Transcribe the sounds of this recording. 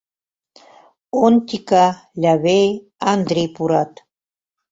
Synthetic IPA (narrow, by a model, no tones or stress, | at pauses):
ont̪ika | ʎʲaβej | and̪ɾipuɾat̪